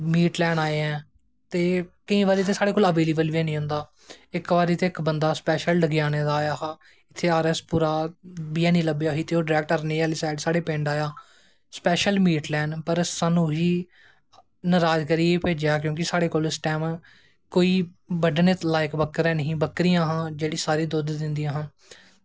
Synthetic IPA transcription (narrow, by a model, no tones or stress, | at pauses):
miːʈlɛːnaːeːɛ̃ː | t̪eːkəĩːʋaːɾiːt̪̬eːsaːɽeːkoːləʋeːliːbəlbiɛ̃ːnĩːɦʊ̃nd̪aː | ɪkʋaːɾiːt̪eːɪkbənd̪aːspɛːʃəlɖəɡɪjaːneːd̪aːjaːaː | ɪt̪ʰːeːaːɾɛspuːɾaːbiːãːnĩːləbjaːɦiːt̪eːoːɖɾɛːk̚ʈəɾneːaːliːsaːɪɖsaːɽeːpẽːɳɖaːjaː | spɛːʃəlmiːʈlɛːnpəɾsaːnũːɦiː | nəɾaːd͡ʒkəɾiːipeːd͡ʒjaːkjõːk̬ɪsaːɽeːkoːlɪsʈɛːm | koːiː | bəɖneːt̪laːɪkbəkːəɾɛ̃ːnəɦĩːbəkːɾijãːɦãːd͡ʒeːɽiːsaːɾiːd̪ʊd̪d̪ɪnd̪iːãːɦãː